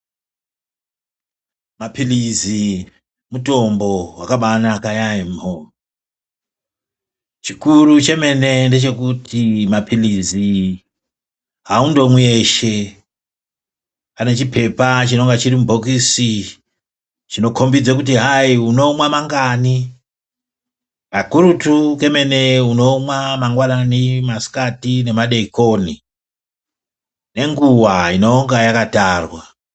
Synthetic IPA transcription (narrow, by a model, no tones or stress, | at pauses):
mapilizi | muto̞mbo̞wakaɓanakajaimo | t͡ʃikurut͡ʃe̞me̞ne̞nde̞t͡ʃe̞kutʰimapʰilizi | ɦaundo̞mwieʃe̞ | pane̞t͡ʃipʰe̞pat͡ʃino̞ŋɡat͡ʃiɾimubʱokisi | t͡ʃino̞kʰombid͡zekut̬iɦaiuno̞mwamaŋɡani | makuɾutuke̞me̞ne̞uno̞mwamaŋɡwananimasi̥katine̞maɗe̞ikoni | ne̞ŋɡuwaino̞ŋɡajakataːrwa